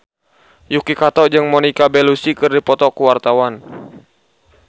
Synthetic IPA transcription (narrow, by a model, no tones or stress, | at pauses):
jukikat̪ɔd͡ʒɨŋmɔnikabɛlusikɨrdipɔt̪ɔkuwart̪awan